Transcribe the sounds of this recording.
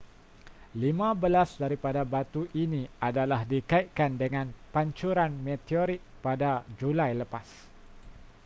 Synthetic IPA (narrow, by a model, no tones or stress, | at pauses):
limãbəlasdaɾipadabat̪uʔinĩadalahdikait̪̚kandəŋãnpaɲt͡ʃuɾanmɛt̪ioɾik̚padad͡ʒulajləpas